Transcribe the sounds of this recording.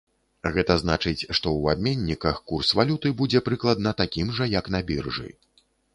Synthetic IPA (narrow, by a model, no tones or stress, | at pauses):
ɣɛt̪ɐznat͡ʂɨt͡sʲʂt̪ɔwab̚ʲmʲenʲːikɐxkursvalʲut̪ɨbud͡zʲɛpɾɨklˠɐd̪nɐt̪akʲimʐɐjɐknɐbʲirʐɨ̰